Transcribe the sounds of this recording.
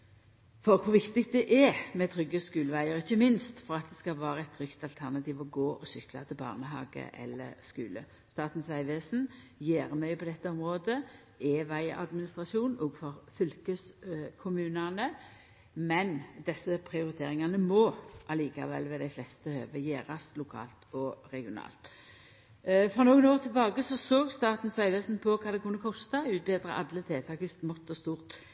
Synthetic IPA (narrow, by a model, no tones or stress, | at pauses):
fɔɾkʰʊʋɪkt̪ɪkt̪̚d̪ɛʔɛmɛt̪ʰɾʏɡːəskʉːlʋæɪəɾɪçːəmɪnst̪fɔɾɑt̪̚d̪ɛskɑlʋæːɾəɛt̪ːʰɾʏkt̪ɑlt̪ʰæʁnɑt̪ʰiːʋɔɡoːʔɔsʏklɑt̪ʰɪlbɑ̰ːʁnəɦɑ̰ːɡə̰ʔɛ̰lːə̰skʉ̰ːlə̰ | st̪ɑːt̪n̩sʋæɪʋeːsn̩jeːʁmœʏpʰɔd̪ɛt̪ːəɔmʁoːd̪ə | eːʋæɪɑ̰d̪mɪnɪst̪ʁɑʃuːnɔːɡfɔʁfʏlkəskʰʊmʉːnɑnə | mɛnd̪ɛsəpʰʁɪʊʁɪt̪ʰḛːʁɪŋɑnəmɔʔɑliːkɑ̰ʋɛ̰lːʋɛːd̪æɪflɛst̪əhø̰ːʋəjeːɾɑslʊkʰɑ̰ːlt̪ʰɔʁɛɡɪʊnɑ̰ːlt̪ | fʁɔnoːɡənoːʁt̪ʰɪlbɑːɡəsɔsoːɡst̪ɑːt̪n̩sʋæɪʋeːsn̩pʰɔkʰɑːd̪ɛkʰʊnːəkʰɔst̪ɑʉːt̪̚beːd̪ɾə̰ʔɑ̰d̪lət̪ʰeːt̪ʰɑːkəst̪mɔt̪ːɔst̪uːʁt̪